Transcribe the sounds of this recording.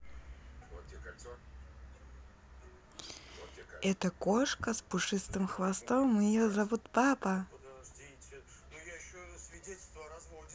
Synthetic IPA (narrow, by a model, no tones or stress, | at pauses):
ɛt̪əkoʂkəspʊʂɨst̪ɨmxvɐst̪omɪjozɐvut̪papə | sʲ